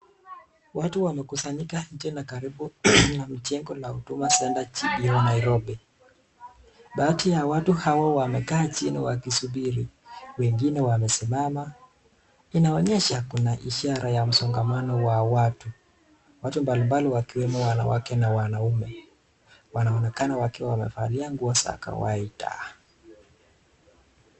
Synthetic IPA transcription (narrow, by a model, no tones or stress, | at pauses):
watuwamɛkusaɲikaɲ̩d͡ʒɛnakaɾiɓunam̩t͡ʃɛŋɡɔlautumasɛndat͡ʃiiɔnaiɾɔɓɛ | ɓaːtijawatuhawawamɛkaːt͡ʃinḭwakisuɓiɾiwɛŋɡinɛwamɛsimama | inaɔɲɛʃakunaʔiʃaɾajam̩sɔŋɡamanɔwawatu | watumbalimbaliwakiwɛmɔwana̰wa̰kɛnawanaumɛ | wanaɔnɛkanawakɛwamɛ̰faliaŋɡuɔsa̰ka̰wa̰ita̰